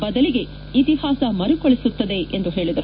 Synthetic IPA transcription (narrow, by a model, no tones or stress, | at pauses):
bɐd̪ɐliɡe̞ | it̪ihaːsɐmɐɾukoɭisut̪ːɐd̪e̞ʔend̪uɦe̞ːɭid̪ɐɾu